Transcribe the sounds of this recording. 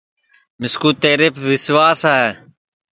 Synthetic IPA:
mɪskuːt̪eːɾepʋɪsʋaːsaːɛː

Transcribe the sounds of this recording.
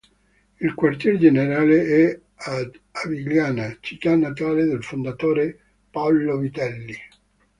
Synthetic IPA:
ilkwart̪jɛɾed͡ʒeneɾaːleɛ | a | aviɡljaːnat͡ʃik̪anat̪aːled̪elfond̪at̪oːɾe | paɔlovit̪ɛlːi

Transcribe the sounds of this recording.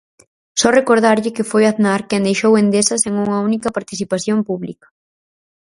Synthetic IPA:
sɔrekoɾð̞aɾʎɪkɪfojaðnaɾkɛnd̪ejʃowend̪esɐseŋuŋɐunikɐpaɾt̪iθipaθjompuβlḭkɐ̥

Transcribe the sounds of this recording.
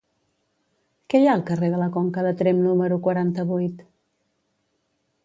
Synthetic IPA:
kɛjaəlˠkəreðələkoŋkəðət̪ɾemnuməɾukwəɾant̪əβujt̪

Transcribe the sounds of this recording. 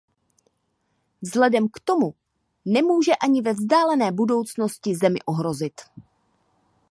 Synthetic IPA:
vzlɛdɛmkt̪o̞mu | nɛmuːʒɛʔaɲɪvɛvzdaːlɛnɛːbudo̞wt͡sno̞scɪzɛmɪ̰ʔoɦɾo̞zɪt̪

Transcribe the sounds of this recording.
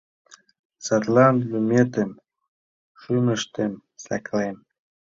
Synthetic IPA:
sat̪lˠɑnd̪lymʲet̪əm | ʃymə̆ʃt̪emsɑklem

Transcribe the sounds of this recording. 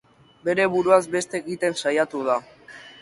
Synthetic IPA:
be̞ɾe̞βuɾuazbe̞st̪e̞ːɣit̪e̞nsajat̪uð̞a

